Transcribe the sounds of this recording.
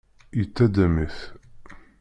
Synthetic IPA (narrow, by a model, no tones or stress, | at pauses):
jət͡sːæd̪æmiθ